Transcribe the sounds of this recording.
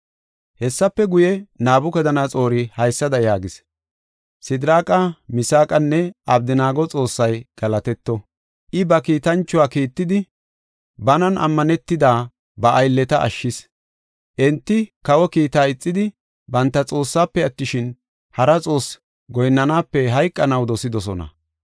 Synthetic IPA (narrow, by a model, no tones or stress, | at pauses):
hɛsːɐpːɛɡʊjɛnaːbʊkɛd̪ɐnat͡sʼo̞ːɾɪhɐjsːɐd̪ɐjaːɡɪs | sɪd̪ɾaːkʼɐmɪsaːkʼɐnːɛɐbd̪ɪnaːɡɔt͡sʼo̞ːsːɐjɡ̥ɐlɐt̪ɛt̪ːɔ | ʔɪbɐkiːt̪ɐnt͡ʃːʊwaːkiːt̪ːɪd̪ɪ | bɐnɐnʔɐ̰mːɐnɛt̪ːɪd̪aː | bɐʔːjlːɛt̪ɐʔɐ̰ʃːɪs | ʔɛnt̪ːɪkɐwɔkiːt̪aːɪt͡sʼːɪd̪ɪ | bɐnt̪ːɐt͡sʼo̞ːsːaːpːɛɐt̪ːɪʃɪn | hɐɾɐt͡sʼo̞ːs | ɡɔjnːɐnaːpːɛɦɐjkʼːɐnɐwd̪ɔsɪd̪ɔsɔnɐ̰